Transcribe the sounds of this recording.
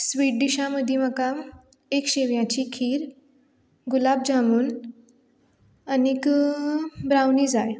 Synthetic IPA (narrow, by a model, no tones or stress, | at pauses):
sʋiːʈ̚d̪iɕaməd̪ʱjeməkam | ekɕeʋjãt͡ɕikʰiːɾ | ɡulab̚d͡ʑamuːn | anik | bɾawnid͡zaj